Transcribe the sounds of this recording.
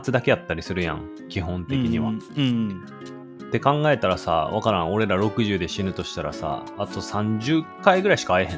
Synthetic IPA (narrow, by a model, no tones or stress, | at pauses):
t͡sɨd̪ake̞jat̪ːaɾʲisɨɾɯ̟jã̰ŋ | kʲiɦõ̞nt̪e̞kʲiɲiβa̰ | t̪e̞kãŋɡae̞t̪aɾasa̰βakaɾão̞ɾe̞ɾaɾo̞kɯ̟ʑɨːd̪e̞ɕinɯ̟t̪o̞ɕi̥t̪aɾa̰sa̰ːt̪o̞sãɲd͡ʑɨkaiɡɯ̟ɾaiɕi̥kaːeɦẽ̞